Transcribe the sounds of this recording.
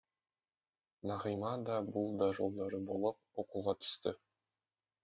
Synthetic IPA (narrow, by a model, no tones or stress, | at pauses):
nɑʁɯjmɑd̪ɑbulˠd̪ɑʒulˠd̪ɑɾɯbo̞lˠup̚o̞quʁɑt̪ʰy̥st̪ʏ